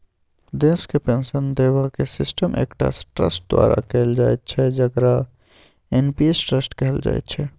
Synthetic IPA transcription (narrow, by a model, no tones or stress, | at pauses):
d̪eskepensənd̪ebakesisʈəmʔḛkʈa̰sʈɾə̰sʈ̚d̪wa̰ɾa̰kɛld͡ʒajt̪̚t͡ʃʰɛd͡ʒəkɾa | enpiesʈɾəsʈkɛɦɛld͡ʒa̰j̰t̪t͡ʃʰɛ